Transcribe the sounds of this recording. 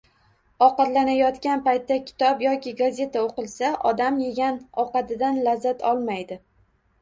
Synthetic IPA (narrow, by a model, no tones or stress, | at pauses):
ɒqɑt̪lanajɒt̪kʲanpajt̪ːakʲʰɪ̥t̪ʰɒpjɒkʲɪɡazʲe̞t̪ʰaoqɨlˠsaʔɒd̪amje̞ɡʲanɒqɑt̪ɪd̪anlazːat̪ʰɒlˠmajd̪ɪ